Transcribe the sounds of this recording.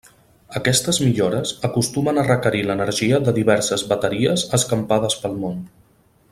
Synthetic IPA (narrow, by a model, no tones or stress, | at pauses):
əkɛst̪əzmiʎoɾəzəkust̪umənərəkəɾilənəɾʒiəðəðiβɛɾsəzβət̪əɾiəzəskəmpaðəspəlˠmon